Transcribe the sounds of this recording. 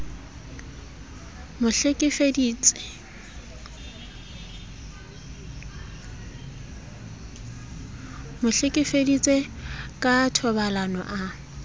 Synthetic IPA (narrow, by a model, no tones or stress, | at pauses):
mʊɬekʼɪfedit͡sʼe | mʊɬekʼɪfedit͡sʼekʼatʰɔbalanɔ̰ʔa